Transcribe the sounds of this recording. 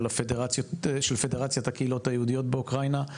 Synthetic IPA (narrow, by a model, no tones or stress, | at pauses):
lafedeʁat͡sjotʃelfe̞deʁat͡sjatakeilo̞tajeudijo̞tbeukʁajna